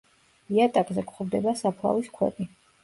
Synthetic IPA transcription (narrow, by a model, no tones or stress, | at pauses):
iat̪ʼakʼzɛkχɔvd̪ɛbasapʰlˠa̰viskʰwɛ̰t̪ʼi